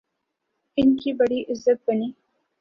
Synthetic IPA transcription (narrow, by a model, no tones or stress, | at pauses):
ɪnkibɐɽiʔɪzːət̪̚bɐniː